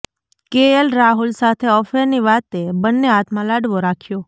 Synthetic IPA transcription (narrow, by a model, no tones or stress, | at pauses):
keəlɾaɦulsat̪ʰeɔfeɾniʋat̪ebənːeat̪mãlaɽʋoɾakʰjo